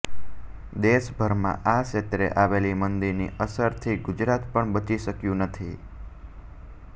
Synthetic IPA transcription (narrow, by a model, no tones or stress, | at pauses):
d̪eʃbʱəɾmã̰ʔaʃet̪ɾḛʔaʋelimənd̪iɾnḭʔəsəɾt̪ʰiɡʊd͡ʒɾat̪pəɳbət͡ʃiʃəkjũnət̪ʰi